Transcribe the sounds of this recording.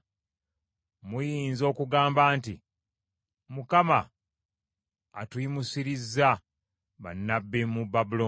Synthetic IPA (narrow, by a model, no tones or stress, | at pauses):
mujiːnzo̞ːkuɡaːmbaːnti | mukama | tuimusiɾizːa | βa̰nːabːimubːabulo